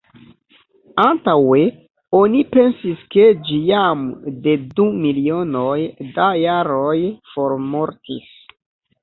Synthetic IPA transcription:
antawe̞ | o̞nipe̞nsiske̞d͡ʒijamde̞dumilio̞no̞jdajaɾo̞jfo̞ɾmo̞ɾtis

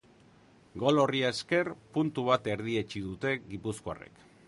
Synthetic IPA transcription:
ɡo̞lo̞riaeske̞rpunt̪uβ̞at̪e̞ɾð̞ie̞t͡ʃiðut̪e̞ɡipuskoa̰rḛk

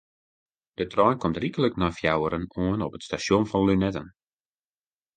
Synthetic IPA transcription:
d̥ətrɔjnkɔmtrikələknɔjfjawəɾənoənɔpətstasjonfɔnlynɛtən

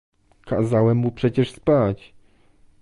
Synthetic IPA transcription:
kʰa̰zawɛmːupʂɛt͡ɕɛʂspat͡ɕ

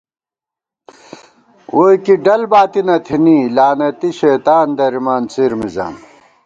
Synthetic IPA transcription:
woːjkiɖɐlbaːt̪inɐt̪ʰinilaːnɐt̪iɕeːt̪aːnd̪ɐɾimaːnt͡siːɾmiza̰ːm

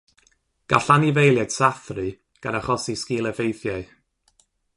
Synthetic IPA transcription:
ɡ̥aɬanivejlˠjɛd̥saθrɨ | ɡ̥a̰naχɔsiskiːlˠɛvejθjaɨ

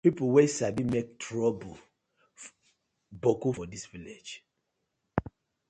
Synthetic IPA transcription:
pipuwesabimek̚tʰɹɔbu | bokofɔdisviled͡ʒ

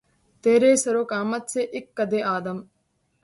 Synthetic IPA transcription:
t̪eːɾeːsɐɾokaːmɐt̪seʔɪkːɐd̪eʔaːd̪ɐm

